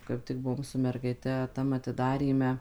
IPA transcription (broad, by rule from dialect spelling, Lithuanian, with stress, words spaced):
kɐɪp ˈtʲɪk ˈbʊʋoːm sʊ mʲɛrɡɐɪˈtʲɛ ˈtɐm ɐtʲɪˈdɑːrʲiːmʲɛ